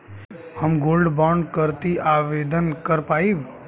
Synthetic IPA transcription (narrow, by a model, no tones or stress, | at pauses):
həmɡolɖbaɳɖkəɾt̪iʔaʋeːd̪ənkəɾpaib